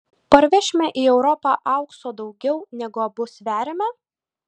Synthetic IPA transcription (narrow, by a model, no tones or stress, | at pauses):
pɐɾʲʋʲɛʃʲmʲɛʔiːɛʊɾɔpɑːʔɑˑʊksoːd̪ɒʊɡʲɛʊnʲæɡʊɐbʊsʋʲæːɾʲemʲɛ